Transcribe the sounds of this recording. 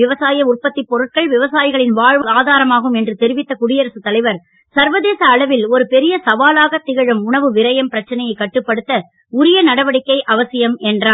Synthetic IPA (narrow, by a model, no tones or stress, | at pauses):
ɪʋɐsaːjɐʊrpɐt̪ːɪpːɔɾɯʈ̚kɐɭʋɪʋɐsaːjɪɣɐɭɪnʋaːɻʋɐlaːðaːɾɐmaːɣɯmɛndrɯt̪ɛɾɪʋɪt̪ːɐkʊɽɪjɐɾɐsɯt̪ːɐlɐɪʋɐɾ | sɐɾʋɐðeːsɐːɭɐʋɪlɔɾɯpɛɾɪjɐsɐʋaːlaːɣɐt̪ːɪɣɐɻɐmʊɳɐʋɯʋɪɾɐjɐmpɪɾɐt͡ʃːɐnɐjɐɪkːɐʈːɯpːɐɽɯt̪ːɐ | ʊɾɪjɐnɐɽɐʋɐɽɪkːɐɪʔɐʋɐsɪjɐmɛndraː